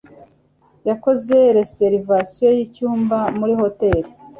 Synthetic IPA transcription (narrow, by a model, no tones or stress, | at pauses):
jako̞zeɾeseɾivasijo̞jicuːmbamuɾiho̞te̞ɾi